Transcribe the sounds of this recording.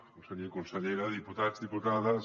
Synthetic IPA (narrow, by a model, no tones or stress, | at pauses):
konseʎekonseʎeɾaðiput̪azðiput̪aða